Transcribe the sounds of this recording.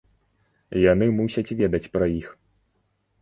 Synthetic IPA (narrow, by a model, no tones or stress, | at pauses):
janɨmusʲɐt͡sʲvʲɛd̪ɐt͡sʲpɾɐjix